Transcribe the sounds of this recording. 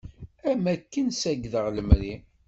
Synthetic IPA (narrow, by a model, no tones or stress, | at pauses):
æmækːənsæɡðəʁləmɾi